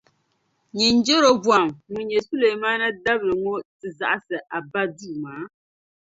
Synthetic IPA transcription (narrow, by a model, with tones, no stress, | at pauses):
ɲi˨n˦d͡ʒe˦ɾo˦bwa˨mŋu˨ɲɛ˨su˦le˨maː˦na˦da˦blɨ˨ŋo˦tɨ˨za̰˨ʔa˦sɨ˨ʔa˨ba˦duː˦˨maː˨˦